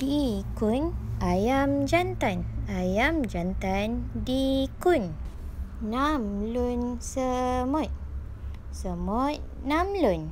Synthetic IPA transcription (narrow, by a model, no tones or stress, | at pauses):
dikunajamd͡ʒant̪anajamd͡ʒant̪andikun | namlunsəmɔt̪̚ | səmɔt̚namlun